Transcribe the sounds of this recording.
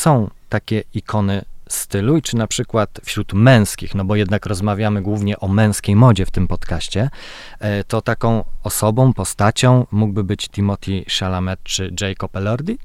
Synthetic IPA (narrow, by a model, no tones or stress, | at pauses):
sɔ̃w̃t̪akʲɛikʰɔnɘst̪ɘluit͡ʂɘnapʂɘkwat̪fɕɾut̪mɛ̃w̃skʲixnɔbɔjɛd̪nakɾɔzmavʲjamɘɡwuvɲɛʔɔmɛ̃w̃skʲejmɔd͡ʑɛft̪ɘmpɔt̪kaɕt͡ɕɛ | t̪ɔt̪akɔ̃w̃ɔsɔbɔ̃w̃pɔst̪at͡ɕɔ̃w̃muɡ̚bɘbɘt͡ɕt̪imɔt̪ʲʰiʂalamɛt̪̚t͡ʂɘʐɛjkɔpɛlɔɾd̪ʲi